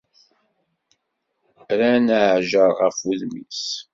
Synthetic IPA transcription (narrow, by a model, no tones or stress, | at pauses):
ɾænaʕʒəɾˤʁəfuðmḭs